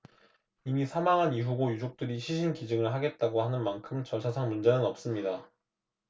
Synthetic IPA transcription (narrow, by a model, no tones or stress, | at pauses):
imisʰamaŋɦaniɦuɡojud͡ʑok̚t͈ɯɾiɕʰiɕ̬ʰinkid͡ʑɯŋɯɭɦaɡe̞t̚t͈aɡohanɯnmankʰɯmt͡ɕʌɭsʰasʰaŋmund͡ʑe̞nɯnʌp̚s͈ɯmɲida